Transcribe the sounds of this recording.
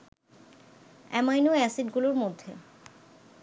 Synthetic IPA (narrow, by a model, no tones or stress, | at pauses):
ɛ̰majnoɛsiɖɡuloɾmod̪ʱːḛ